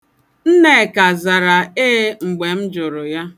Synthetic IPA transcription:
n̩˦ne˦˨ka˨za˨ɾa˨e˦ŋ͡m̩˨ɡ͡be˨m̩˦d͡ʒʊ˨ɾʊ˨ja˦

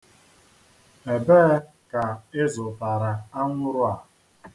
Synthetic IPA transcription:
e˨beː˦ | ka˨ɪ˦zʊ˨ta˨ɾa˨a˦ŋʷʊ˦ɾʊ˦a˨

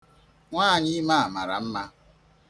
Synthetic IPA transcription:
ŋʷaː˦˨ɲɪ˦ma˦a˨ma˨ɾa̰˨m̩˦ma˦

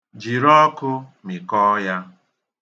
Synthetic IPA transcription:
d͡ʒi˨ɾɔ˦kʊ˦mi˨kɔ˦ja˦

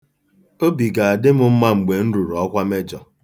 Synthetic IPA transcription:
o˦bi˨ɡa˨a˨dɪ˦mʊ˦m̩˦ma˦ŋ͡m̩˨ɡ͡be˨n̩˦ɾu˨ɾɔ˦kʷa˦me˦d͡ʒɔ˨

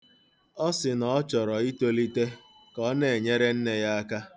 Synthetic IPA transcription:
ɔ˦sɪ˨nɔ˨ɔ˦t͡ʃɔ˨ɾɔ˨i˦to˦li˦te˦ | kɔ˦ne˨e˨ɲe˦ɾe˦n̩˦ne˨ja˦a˦ka˦

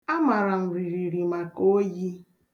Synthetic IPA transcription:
a˦ma˨ɾa˨m̩˨ɾi˨ɾi˨ɾi˨ma˨ko˦ji˦

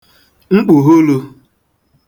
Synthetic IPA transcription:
ŋ͡m̩˦k͡pu˨ɦo˦lo˧

